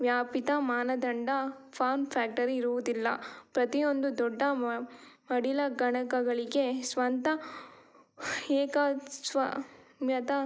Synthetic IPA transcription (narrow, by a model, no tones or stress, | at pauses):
ʋjaːpit̪ɐmaːnɐd̪ɐɳɖɐpʰaːɾmpʰaːk̚ʈɐɾiːɾuʋud̪ilːɐ̰pɾɐt̪ijo̞nd̪ud̪ɔɖːɐ | mɐɽilɐɡɐɳɐkɐɡɐɭiɡe̞sʋɐnt̪ɐ | ɛːkɐsʋɐmjɐt̪ɐ